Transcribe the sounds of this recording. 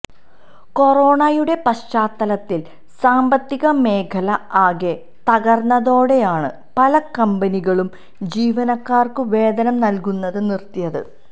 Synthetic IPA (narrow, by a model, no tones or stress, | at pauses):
ko̞ro̞ːɳajuɽe̞pɐɕt͡ɕaːt̪ːɐlɐt̪ːil | saːmbɐt̪ːiɣɐme̞ːkʰɐlɐaːɡe̞ | t̪ɐɣɐrnːɐðo̞ːɽejaːɳɨ̰ | pɐlɐkɐmbɐniɣɐɭum | d͡ʑiːʋɐnɐkːaːrkɨʋe̞ːd̪ɐnɐmnɐlkunːɐðɨnirt̪ijɐðɨ̰